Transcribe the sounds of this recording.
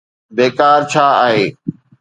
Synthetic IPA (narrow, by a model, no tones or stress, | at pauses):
beːkaːɾt͡ɕʰaːaːɦeː